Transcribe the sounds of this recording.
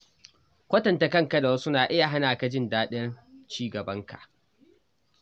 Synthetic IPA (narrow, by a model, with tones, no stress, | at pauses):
kʷɐ˦tɐ˨nta˨kɐ˦ŋka˨da˨wɐ˦su˦naː˨ʔɪ˦ja˨ɦa˦naː˨ka˨d͡ʒɪ˦ndaː˦ɗɛ˦rt͡ʃiː˦ɡɐ˨bɐ˦ŋka̰˨ʔ